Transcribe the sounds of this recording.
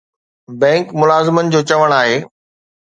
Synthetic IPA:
bɛ̃ːŋkmʊlaːzɪmənɪ̆d͡ʑoːt͡ɕɐʋəɽ̃aːɦeː

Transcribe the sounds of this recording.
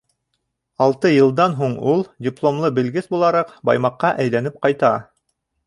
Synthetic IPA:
ɑlˠt̪ɤjɤ̆lˠd̪ɑnɦuɴulˠdʲiplˠomlˠɤbɘ̆lɡɘθbulˠɑɾɑqbɑ̰jmɑqːɑʔæjlænɘp̚qɑjt̪ɑ

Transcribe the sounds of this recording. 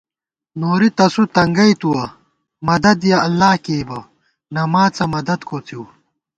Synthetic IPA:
noːɾit̪ɐsut̪ɐŋɡɐjt̪uwɐ | mɐd̪ɐd̪jaɐlːaːkeːbɐ | nɐmaːt͡sɐmɐd̪ɐd̪kʰoːt͡siw

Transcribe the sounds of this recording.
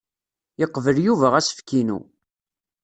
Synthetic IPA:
jəqːvəljuvæʁæsə̥fkːinṵ

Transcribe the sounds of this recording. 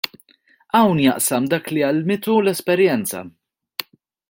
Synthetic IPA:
ɐwnjɐʔsɐmd̪ɐːkliɐlmɪt̪ulɛspɛɾjɛnt͡sɐ̰

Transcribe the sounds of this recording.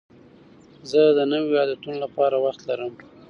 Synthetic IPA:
zəd̪ənəwijɑd̪at̪unolapɑɾawaxt̪laɾəm

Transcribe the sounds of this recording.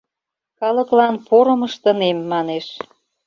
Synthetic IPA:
kɑlə̆klɑnpoɾə̆məʃt̪ə̆nemːɑneʃ

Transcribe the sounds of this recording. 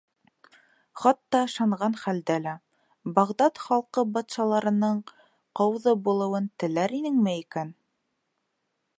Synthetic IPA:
χɑt̪ːɑɤ̆ʃɑɴʁɑnχæld̪ælæ | bɑʁd̪ɑt̪χɑlˠqɤbɑt̪ʃɑlˠɑɾɤ̆nɤɴ | qɑwðɤbulˠɤ̆wɤnt̪ɘ̆læɾinɘŋmæjikæn

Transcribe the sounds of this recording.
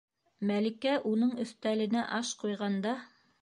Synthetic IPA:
mælĭkæʔunɤɴɵ̆θt̪ælɘ̆næʔɑʃqujʁɑnd̪ɑ

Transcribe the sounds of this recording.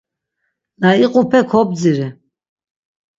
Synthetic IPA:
d̪aiqʼupʰɛkʰɔb̚d͡ziɾi

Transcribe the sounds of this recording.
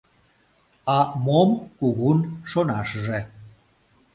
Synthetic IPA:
ɑmomkuɣunʃonɑʃʒe

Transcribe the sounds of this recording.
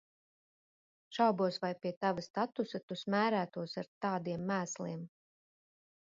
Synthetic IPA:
ʃawbuɔsvajpʲiɛt̪avast̪at̪usat̪usmæːɾæːt̪uɔsaɾt̪aːd̪iɛmːæːslˠiɛm

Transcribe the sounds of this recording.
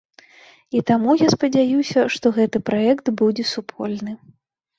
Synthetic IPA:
it̪amujaspɐd͡zʲajusʲɐʂt̪ɔɣɛt̪ɨpɾaɛkt̪bud͡zʲɛsupʰɔlʲnɨ

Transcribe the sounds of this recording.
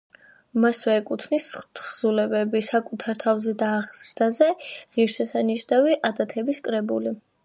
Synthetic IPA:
maswɛːkʼut̪ʰnist̪ʰχz̥ulɛbɛbisakʼut̪ʰaɾt̪ʰavzɛd̪aːʁz̥ɾd̪azɛʁiɾʃɛsaniʃnaviʔad̪at̪ʰɛbiskʼɾɛbuli

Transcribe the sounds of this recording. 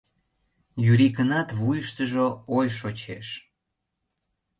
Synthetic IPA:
jyɾikənɑt̪βujəʃt̪əʒoojʃot͡ɕeʃ

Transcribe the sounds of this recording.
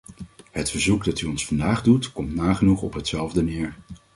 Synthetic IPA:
ɦətfəɹzukdɑtyɔnsfɑndaːχdutkɔmtnaːχənuχɔpɦətsɛlˠvdənɪːɹ

